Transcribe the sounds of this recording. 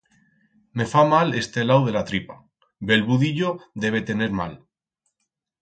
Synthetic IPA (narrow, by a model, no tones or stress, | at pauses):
me̞famale̞st̪e̞lawð̞e̞lat̪ɾipa | be̞lβuðiʎod̪e̞β̞e̞t̪e̞ne̞ɾma̰l